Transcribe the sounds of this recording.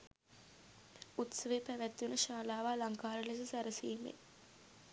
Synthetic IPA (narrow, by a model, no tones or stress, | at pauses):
ut̪səʋepæʋæt̪ːjunəʃaːlaːʋaːlaŋkaːɾəles̬ɐsæɾəsiːmḛ